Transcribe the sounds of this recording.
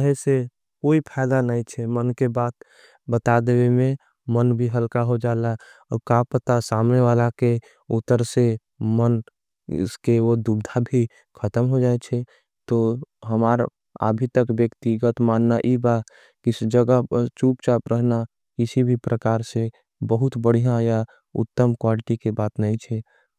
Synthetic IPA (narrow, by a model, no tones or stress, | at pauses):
əɦese | koːipʰaɪd̪anəit͡ʃʰɛmənkebat̪̚ | bət̪ad̪ewemẽ | mənbʱiɦəlkaɦod͡ʒala | ɔkapət̪asamneʋalake | ut̪ːəɾse | mən̰ | skeod̪ubd̪ʱabʱi | kʰət̪əmɦod͡ʒaːet͡ʃʰɛ | t̪oɦəmaːɾ | a̰bʱit̪əkbjəkt̪iɡət̪maːnːaʔiba | kisd͡ʒəɡat͡ʃuːpt͡ʃapɾəɦna | kɪsibʱipɾəkaːɾse | bəɦʊt̪bəɽ̤ijãja | ʊ̰t̪ːəmkwalɪʈikebaːt̪nəĩt͡ʃʰɛ